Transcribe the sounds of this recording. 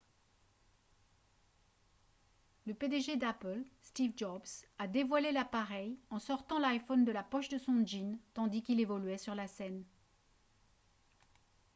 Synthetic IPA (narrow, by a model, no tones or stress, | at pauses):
ləped̪eʒed̪apəlst̪ivd͡ʒɔbsad̪evwalelapaʁɛjɑ̃sɔʁt̪ɑ̃lajfɔnd̪əlapɔʃd̪əsɔ̃ʒint̪ɑ̃d̪ikʲilevɔlɥɛsyʁlasɛn